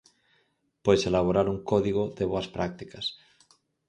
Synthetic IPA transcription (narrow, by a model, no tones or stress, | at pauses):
pojselaβ̞oɾaɾuŋkoðiɣoðeβoaspɾak̚t̪ikas